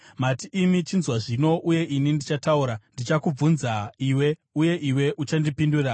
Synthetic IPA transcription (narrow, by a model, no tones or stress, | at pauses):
matiʔːmit͡ʃinzwaʐino̞ʔuje̞ʔinindit͡ʃatauɾandit͡ʃakub͡vunzaiwe̞uje̞ʔiwe̞ʔut͡ʃandipindura